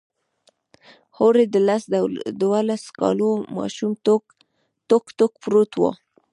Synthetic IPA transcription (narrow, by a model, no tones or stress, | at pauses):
hoɾed̪əlasd̪walaskɑ̰lomɑ̰ʃum | t̪okt̪okpɾot̪wo̰